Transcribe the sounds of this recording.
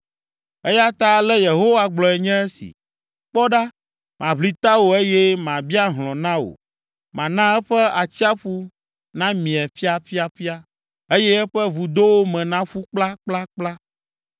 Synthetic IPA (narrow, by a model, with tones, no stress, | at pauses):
e˦ja˦t̪a˦˨lɛ˦je˨ɦo˦wa˦ɡ͡blɔ˨ɛ˨ɲɛ̃˦ɛ˦sḭ˨ | k͡pɔ˦ɖa˦ | mã˨βli˨t̪a˦wo˨e˦jɛ˦mã˨bi˦a˦ɦlɔ̃˨nã˦wo̰˨ | mã˨nã˦ɛ˦ɸɛ˦a˨t͡ɕi˦a˦ɸu˦ | nã˦mĩ˨ɛ˨ɸi˦a˨ɸi˦a˨ɸi˦a˦ | e˦jɛ˦ɛ˦ɸɛ˦vu˨d̪o˦wo˦mɛ̃˨nã˦ɸu˦k͡pla˦k͡pla˦k͡pla˦